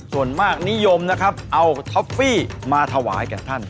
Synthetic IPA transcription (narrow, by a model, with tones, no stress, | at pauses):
su˨˩ənmaː˥˩k̚ni˦˥jo˧mna˦˥kʰɾa˦˥p̚ʔa˧wt̪ʰa˦˥fiː˥˩maː˧t̪ʰa˧wa̰ː˩˦jkɛː˨˩t̪ʰa˥˩n